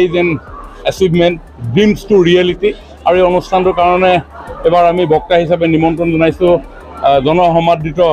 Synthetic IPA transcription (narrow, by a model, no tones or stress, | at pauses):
ejzɛnɛsibmɛnt | dimstʊɹiɛliti | aɹuejɔnustʰantʊɹkaɹɔnɛɛbaɹamibɔkːaɦis̬apɛnimɔntɔnzɔnajsʊ̃ | zɔnɔɦɔmadːitɔ